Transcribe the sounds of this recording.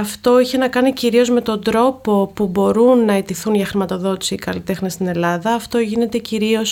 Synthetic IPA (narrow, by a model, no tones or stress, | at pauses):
ɐft̪o̞içe̞nɐkɐniciɾio̞zme̞t̪o̞nd̪ɾo̞po̞pubo̞ɾunːɐet̪iθunʝɐxɾimɐt̪o̞ðo̞t̪i̥siːkɐlit̪e̞xnest̪ine̞lɐðɐːft̪o̞ʝine̞t̪e̞ciɾio̞s